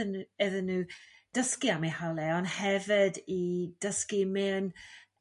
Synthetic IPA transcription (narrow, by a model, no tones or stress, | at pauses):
nɛðənːuː | d̥əskiamihalɛɔnhɛvɪdid̥əskimɪn